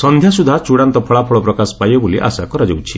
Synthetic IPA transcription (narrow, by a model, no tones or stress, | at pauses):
sɔnd̪ʱjasud̪ʱat͡ʃuɽant̪ɔpʰɔɭapʰɔɭɔpɾɔkasɔ̥pajbɔboliʔa̰sakɔɾad͡ʒowt͡ʃʰi